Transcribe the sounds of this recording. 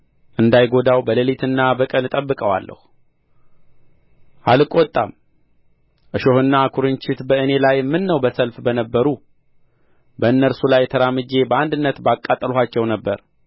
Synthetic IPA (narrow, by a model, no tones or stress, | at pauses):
ʔɨnd̪ajɡo̞d̪awbəlelit̪ʰɨnːabəkʼənɨt̪ʼəbːɨkʼəwa̰lːə̰hu | ʔalɨkʼɔt̪ʼːa̰m | ʔɨʃo̞hɨnːakʰuɾɨnt͡ʃɪt̪bəɨne̞lajmːɨnːəwbəsəlfbənəbːəɾu | bəɨnːəɾsulajt̪ʰəɾamɨd͡ʒe̞bəand̪ɨnːət̪bakʼːat̪ʼːəlɦat͡ʃːɛwnəbːəɾ